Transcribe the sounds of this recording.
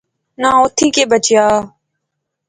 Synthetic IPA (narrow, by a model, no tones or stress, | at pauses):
nãːoːt̪ʰĩːkeːbət͡ʃɪjaː